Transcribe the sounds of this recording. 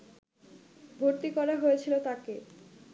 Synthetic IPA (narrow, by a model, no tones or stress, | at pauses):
bʱoɾt̪ikɔɾaɦoet͡ɕʰilot̪ake